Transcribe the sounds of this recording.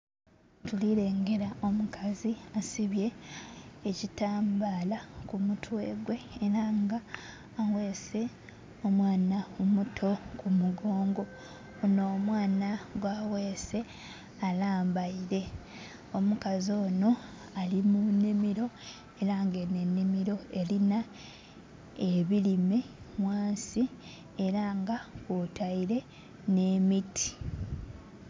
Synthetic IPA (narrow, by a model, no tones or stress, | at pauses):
tuliɾe̞ːŋɡe̞ɾao̞mukaziasiβje̞ː | citaːmbaːlakumutwe̞ːɡwe̞ːɾaŋɡaː | we̞ːse̞ | o̞mwaːnaomutʰo̞kumuɡo̞ːŋɡo̞ | no̞ːmwaːnaɡwaːwe̞ːse̞ | alaːmbaiɾe̞ | o̞mukazo̞ːno̞ | alimunːimiɾo̞ | e̞ɾaŋɡe̞nenːimiɾo̞e̞lina | eβilime̞mwaːnsi | eɾaŋɡakutaiɾe̞ | ne̞ːmitʰi̥